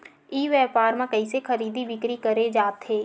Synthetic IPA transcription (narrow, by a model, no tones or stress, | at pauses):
iːʋɛːpaːɾmãkɐisexʰɐɾiːd̪iʋɪkɾikɐɾed͡ʒaːt̪ɦeː